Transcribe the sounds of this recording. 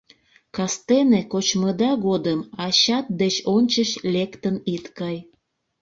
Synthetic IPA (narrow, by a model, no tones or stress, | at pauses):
kɑst̪enekot͡ɕməd̪ɑɣod̪əmɑɕɑt̪̚d̪et͡ɕonʲt͡ɕəʃlʲekt̪ənit̪kɑj